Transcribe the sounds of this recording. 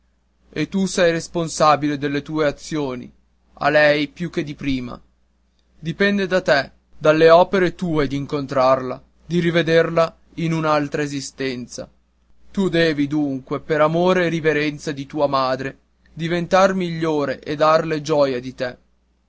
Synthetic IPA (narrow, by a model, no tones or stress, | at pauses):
et̪ːusɛjresponsaːbiled̪elːet̪uːeat̪sːjoːnḭ | a̰lɛjpjuk̟ːed̪ipɾiːma̰ | d̪ipɛnd̪ed̪at̪ɛ | d̪alːeɔːpeɾet̪uːed̪iːŋkont̪ɾarla | d̪iɾived̪erla | inunalt̪ɾaezist̪ɛnt̪sa̰ | t̪ud̪ɛːvid̪uŋkwepeɾamoːɾeːriveɾɛnt̪sad̪it̪uːamaːd̪ɾe | d̪ivent̪armiʎːoːɾeʔed̪arled͡ʒɔːjad̪it̪e